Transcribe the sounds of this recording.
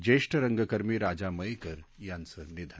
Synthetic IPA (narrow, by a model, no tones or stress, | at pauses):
d͡ʑeʂʈəɾəŋɡəkəɾmiːɾad͡ʑaməjekəɾjãnt͡sənid̪ʱa